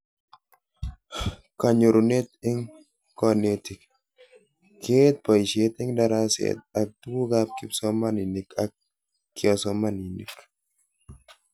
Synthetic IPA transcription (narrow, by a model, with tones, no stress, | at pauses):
ka˨ɲu˨ɾune˦t̪ɪ˦ŋ | kɔnet̪i˨k | kːe˦t̪̚pɔ˨jʃe˦t̪ɪ˦ŋdaɾasḛt̪̚a˨k̚t̪u˦ɡu˦ɡap̚ki˦psɔ˦mani˨ni˨kak̚ː | iɔ˨sɔmani˨nḭ˨k